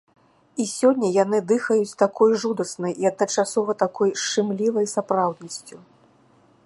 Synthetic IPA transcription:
isʲɔnʲːɐjanɨd̪ɨxɐjut͡sʲt̪akʰɔjʐud̪ɐsnɐjiɐd̪nɐt͡ʂasɔvɐt̪akɔjʂt͡ʂɨmlʲivɐjsapɾawd̪̚nɐsʲt͡sʲu

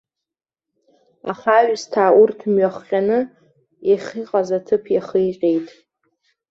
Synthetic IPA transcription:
a̰χaɥstʰaːʔurtʰmɥaχːʲʼanɨ | eχʲiqʼazatʰɨpʰjaχijqʲʼejtʼ

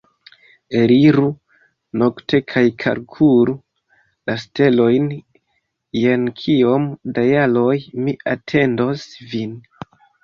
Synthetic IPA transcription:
eɾiɾu | no̞kte̞kʰajkʰa̰ɾkʰuɾu | laste̞lo̞jn | je̞nkʰio̞mdajalo̞jmiatʰe̞ndo̞svin

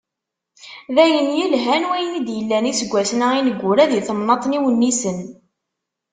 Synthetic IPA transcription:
ðæjənjəlɦænwæjənid̪jəlːænisəɡʷːæsnəinəɡʷːʊɾæðiθəmnɑt̪ˤniwənːisən

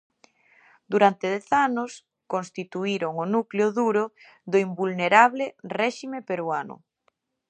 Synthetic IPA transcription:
d̪uɾant̪eðɛθanʊs | konst̪it̪uiɾoŋonukleʊðuɾʊ | ðoimbulneɾaβlɪrɛʃimepeɾwanʊ̰

